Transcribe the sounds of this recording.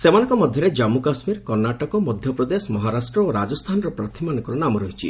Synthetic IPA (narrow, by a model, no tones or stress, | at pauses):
semanɔ̃ŋkɔmɔd̪ʱjɔɾed͡ʒamukasmiɾkɔɾnaʈɔkɔmɔd̪ʱjɔpɾɔd̪esɔmɔɦaɾasʈɾɔoɾad͡ʒɔst̪ʰanɔɾɔpɾat̪ʰimanɔ̃ŋkɔɾɔnamɔɾɔɦit͡ʃʰḭ